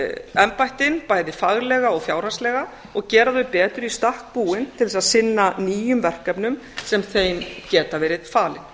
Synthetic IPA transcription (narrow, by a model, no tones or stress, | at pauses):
ɛmpajht̪ɪnpajðɪfaɣlɛɣaɔɣfjaːwr̥hanst̪lɛɣa | ɔɣcɛːɾaθœɥpɛːt̪ʏɾist̪ahk̚puːɪnt̪ʰɪlɛsaðsɪnːaniːjʏmvɛr̥kapnʏm | sɛmθejncɛːt̪avɛːɾɪðfaːlɪ̰n̥